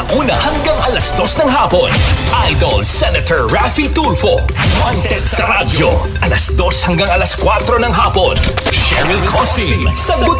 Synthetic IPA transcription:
ŋʔuːnɐhɐŋɡaŋʔɐlɐsd̪o̞snɐŋɦaːponʔajd̪olsɛnɐt̪ɛɹɹafit̪uɾfowɐnt̪ɛsɐɾad͡ʒo | ʔɐlɐsd̪o̞shɐŋɡaŋɐlɐskwat̪ɾo̞nɐŋɦaːponʃɛɹɪlkʰosilsɐŋɡʊ

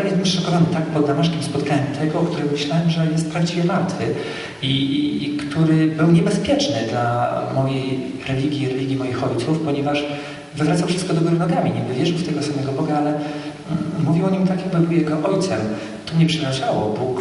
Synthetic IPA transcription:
nɛst̪ɛmʂʂɔkɔvanɪt̪akpɔd̪ːamaʂkʲimspɔt̪kaɲɛmt̪ʰɛɡɔkt̪uɾɛɡɔmɘɕlawɛmʐɛjɛst̪̚pɾavd͡ʑivʲjɛvaɾt̪fɘ | ikt̪uɾɘbɘwɲɛbɛspʲjɛt͡ʂnɘd̪lamɔjej | ɾɛlʲiɡʲjiɾɛlʲiɡʲimɔjixɔjt̪sufpɔɲɛvaʂ | vɘvɾat̪sawfʂɘst̪kɔd̪ɔɡɔɾɔnɔɡamʲiɲɛvɘvʲjɛʐɘwft̪ɛɡɔsamɛɡɔbɔɡaalɛ | muvʲiwɔɲimt̪akjaɡ̚bɨbɘwjɛɡɔʔɔjt̪sɛm | t̪ɔmɲɛpʂɛɾaʐawɔ̰buk

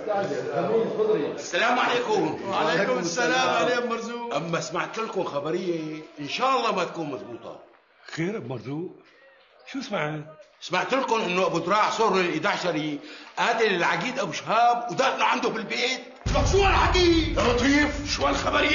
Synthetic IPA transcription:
a | ʊd̪ɾasːalaːmʕaleːkʊmʕalekːalaːmbmɑɾˤzuːʔʔamːasmaʕt̪ɪlkʊmxabaɾɪjːeʔɪnʃaːʔɑlːɑːmat̪ḁkuːnmazbuːt̪ˤɑ̰ | xeːɾɪbmɑɾˤzuːʔ | ʃuːsmaʕat̪̚smaʕt̪ʊlkʊnʔɪnːʊʔabʊd̪ɾˤɑːħsˤʊːɾɪlʔɪd̪aʕʃaɾiʔaːt̪ilɪlʕaɡiːd̪ʔawʃhaːb̚wd̪aːt̪laʕand̪ʊbɪlbeːt̪̚ | mabfuːalʕaɡ̪iːlːɑt̪ˤiːfʃwajlxabaɾɪjːa

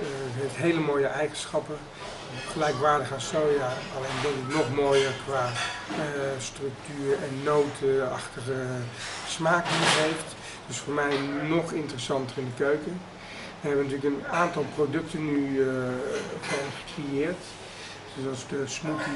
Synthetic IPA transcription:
ɦeftɦejləmoːjəʔɛjχənsχɑpə | χəlɛjkʋaːɹdəɣəasojaɑlejndɔtətnɔχmoːjərkʋaː | strɵk̚tyːrɛnːowtʰəɑχtəχəsmaːkəəɦejft | d̥øsfoːɹmɛjnɔχɪntərəsɑntərɪndəkøɥkə | ʋəɦɦɛbʋənɑt̬yːləkənaːntɑlˠprodɵktənːy | fɔχə̥krejɪːɹt | sdɔtsdəsmut

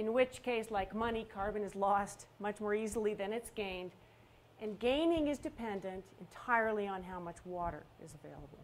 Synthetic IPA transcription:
ɨ̃nwɪt͡ʃkʰeɪslaɪkmʌnikʰɑɹbɨ̃nɨzlɔstmʌt͡ʃmɔɹizl̩ˠiðɨ̃nɨtsɡ̥ẽɪ̃nd | ɨ̃nɡẽɪ̃nɪ̃ŋɨzdɨpʰɛ̃ndɨ̃ntɨ̃ntʰaɪə˞lˠiə̃nɦaʊmʌt͡ʃwɔɾə̰˞ɨ̰zɨveɪlˠəbl̩ˠ

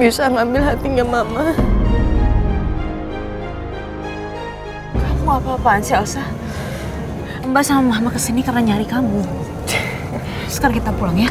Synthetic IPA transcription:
bisaŋambɪlɦat̪iŋamama | kamuapaːpaːnsialsa | əmbasaŋamaɦamakəsinikarnaɲaɾikamu | sə̥kaɾaŋkit̪apulaŋja

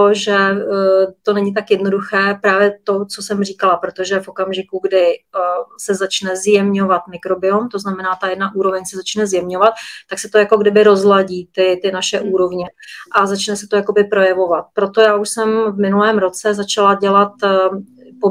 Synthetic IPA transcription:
oʒɛ | t̪o̞nɛɲɪt̪̬akjɛdno̞duxɛːpɾaːvjɛt̪o̞t͡so̞sɛmr̝iːkalapɾot̪o̞ʒɛfʔo̞kamʒɪkuɡdɪ | sɛzat͡ʃnɛzjɛmɲo̞vat̪mɪkɾo̞bɪomt̪oznamɛnaːt̪ajɛdnaʔuːɾo̞vɛɲsɛzat͡ʃnɛzjɛmɲovat̪̚ːaksɛt̪o̞jako̞ɡdɪbɪɾo̞zlaɟiːt̪ɪt̪ɪnaʃɛʔuːɾo̞vɲɛʔazat͡ʃnɛsɛ̥t̪ojako̞bɪpɾo̞jɛvo̞vat̪̚pɾo̞t̪o̞jaːʔuʃsɛmvmɪnulɛːmɾo̞t͡sɛzat͡ʃalaɟɛlat̪ | po

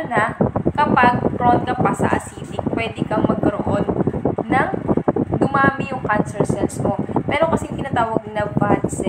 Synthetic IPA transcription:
nɐkɐpaɡ̚pɾond̪̚kɐpɐsɐ̰ʔɐ̰siːt̪ɪk̚pwɛd̪ɪkɐŋmɐɡ̚kɐɾoʔonːɐŋd̪ʊmaːmɪjʊŋkansɛlsɛnsmo̞pɛːɾo̞kɐsɛŋk̪ɪnaːt̪aːwɐɡ̚nɐbad̪sɛ

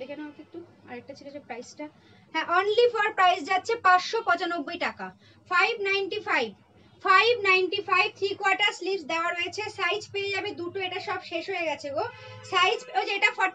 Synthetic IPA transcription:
bekɛnokek̚t̪ːu | a̰ɾɛk̚ʈat͡ɕʰikit͡ɕʰapɾajsʈa | ɦɛ̃ʔonlifɔɾpɾajsd͡ʑatːɕʰepãtʃopɔ̃t͡ɕanobːojʈaka | fajbʱnajɳʈifajb̚ | fajbnajnʈifajb̚t̪ʰɾikwaɾʈaɾslibsd̪eoaɾojet͡ɕʰesajd͡ʑpeed͡ʑabed̪uʈoeʈaʃɔbʃeʃɦoeɡɛt͡ɕʰeo | sajd͡ʑod͡ʑeʈafɔ

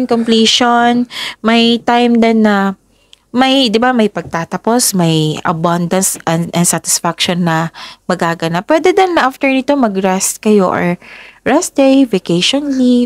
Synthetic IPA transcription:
nkompliːʃonmɐjt̪ajmd̪ɐnːɐ | mɐjd̪ɪbamɐjpɐɡ̚t̪aːt̪ɐpo̞smɐjɐ̰band̪ɐnsɛnɐnsat̪ɪ̥sfakʃonːɐmɐɡaːɡɐnapwɛːd̪ɛd̪ɐnːɐʔaft̪ɛɹnɪt̪o̞mɐɡɹɛst̪̚kɐjo̞ʔɔ̰ɹɹɛs̚d̪ɛjvɛkejʃonli

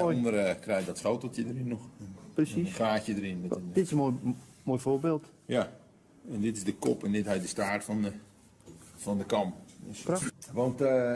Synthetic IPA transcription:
ondərəkrɛjdɔtfowtotjədərɪnːɔxprəsiχraːcjədərɪnmɛtd̥ɪtɪsəomoːjfobeːlˠt | ja | ɛndɪtɪzdəkopɛndɪtɦɛjdəstaːrtfɔn | fɔndəkɔmpdsprʋɑnt

